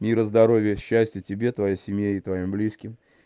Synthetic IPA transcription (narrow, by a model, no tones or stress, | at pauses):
mʲiɾəzd̪ɐɾo̞vʲɪjəɕːæsʲtʲjɪtʲɪbʲe̞t̪vɐjejsʲɪmʲjeɪt̪vɐimblʲiskʲɪm